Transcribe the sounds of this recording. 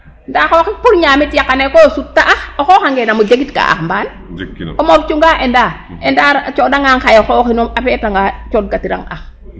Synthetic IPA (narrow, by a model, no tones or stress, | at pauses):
ndaxokipuɾɲaːmitijakːanekosutːaʔaxoxoːkaŋɡenamod͡ʒaɡitka̰a̰xmban | omoɾt͡ʃuŋɡaʔenda | endaɾt͡ʃodaŋaŋxajɔxoːkinomapɛtaŋɡat͡ʃot̚katiɾa̰ŋa̰x